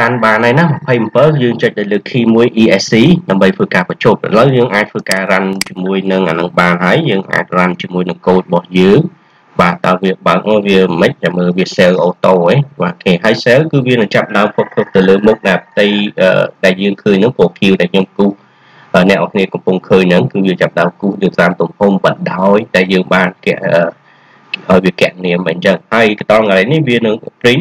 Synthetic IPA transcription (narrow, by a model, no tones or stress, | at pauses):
ranɓaːnaːnahmɑpʰəjmpəːljəːŋt͡ɕəc̚ɗ̪ajləːkʰːiːmuəjʔiːʔɛsiːɗaəmɓəjt̪ʰʋəːkaːprɑt͡ɕʰoːp̚ha̰ləwjəːŋʔaːc̚t̪ʰʋəːkaːrant͡ɕiəmuəjnɨŋʔanɨŋɓaːnɦaəjːəːŋʔa̰ːc̚rant͡ɕiəmuəjnɨŋkoːl̚əɓɑhjəːŋ | ɓaːɗ̪aəlʋiəɓaək̚nɔːʋiəməc̚haməːlʋiəsɛlʔoːt̪ɔːʔeːɓaːkʰeːɦaəjselkɨːʋiənɨŋt͡ɕap̚ɗaəmkʰop̚kʰəːk̚t̪ɨwləːmuk̚naːp̚ʰt̪ɨjʔə̰ːɗaɛljəːŋkʰəːɲnɨŋpoːkʰiəwɗaɛkʰɲomkuːh | ʔəːnɛ̆əʔakʰniəkɑmpʊŋkʰəːɲnɨŋkɨːʋiət͡ɕap̚ɗaəmkuːhnɨːt̪aːmt̪umhumɓət̪̚ɗaɔjɗaɛljəːŋɓaːnkɛ̆əʔəː | ʔaɔjʋiəkɛ̆əʔniəməɲt͡ɕəŋhaəjkət̪ɑlŋaɾəjnihʋiənɨŋpriɲ